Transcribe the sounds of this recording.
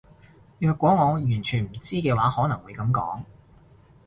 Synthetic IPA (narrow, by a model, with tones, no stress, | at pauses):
jœː˧kʷːwɔː˨˥ŋɔː˨˧jyː˨˩nt͡ʃʰyː˨˩nm̩˨˩t͡siː˥kɛː˧waː˨˥hɔː˨˥nɐ˨˩ŋwuː˨˧jkɐ˨˧˥mkɔ̰ː˨˥ŋ